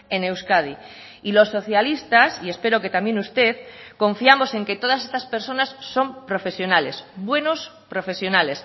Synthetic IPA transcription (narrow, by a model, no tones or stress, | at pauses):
e̞ne̞wskað̞i | ilo̞sːo̞θjalist̪asie̞spe̞ɾo̞ket̪amje̞nust̪e̞ðkõ̞ɱfiamo̞se̞ŋke̞t̪o̞ð̞as̬e̞st̪aspe̞ɾso̞nasːo̞mpɾo̞fe̞sjo̞nale̞sbwe̞no̞spɾo̞fe̞sjo̞nale̞s